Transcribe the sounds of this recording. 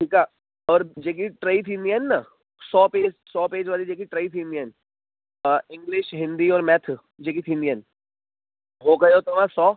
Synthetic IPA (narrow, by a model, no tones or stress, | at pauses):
ʈʰiːkaː | ɔːɾd͡ʒek̬iʈɾaːit̪ʰɪ̃nd̪ijənːa | sɔːpeːd͡ʒsɔːpeːd͡ʒʋaːlid͡ʒeːkiʈɾaːit̪ʰɪ̃nd̪ijən | ɪ̃ŋɡlɪʃɦɪ̃nd̪iɔːɾmɛt̪ʰ | d͡ʒeːk̬it̪ʰɪ̃nd̪jən | ɦoːɡɐjot̪oʋãsɔː